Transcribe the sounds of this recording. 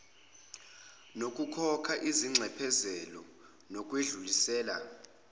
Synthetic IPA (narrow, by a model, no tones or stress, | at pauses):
nokʼukʰɔkʰaʔiziŋ͡ǀʱɛpʰɛzɛlɔ̰ | nok̬ʼweɮulisɛːla̰